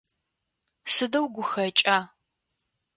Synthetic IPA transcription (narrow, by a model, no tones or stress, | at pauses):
sɨdɐwɡʷʊxɐt͡ʃʼaː